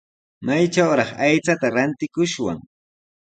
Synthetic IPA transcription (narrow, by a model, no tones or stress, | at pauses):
majt͡ʃawɾɑχajt͡sat̪aɾant̪ɪkʊʃwa̰ŋ